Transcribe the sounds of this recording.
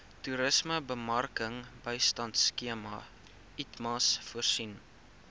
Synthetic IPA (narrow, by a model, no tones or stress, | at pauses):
tuɾəsməbəmɐrkəŋbəjstɐntskiəmɐ | itmɑsfuərsin